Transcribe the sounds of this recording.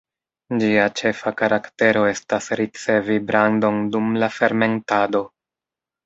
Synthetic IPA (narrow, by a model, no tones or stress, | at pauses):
d͡ʒiat͡ʃe̞fakaɾʔakte̞ɾo̞e̞stasɾit͡se̞vibɾando̞ndumlafe̞ɾme̞ntado̞